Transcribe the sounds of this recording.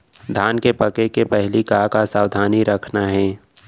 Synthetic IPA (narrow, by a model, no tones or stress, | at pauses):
d̪ʱaːnkepɐkekepɛɦlikaːkasaːwd̪ʱaːniɾɐkʰnaɦɛ̃ː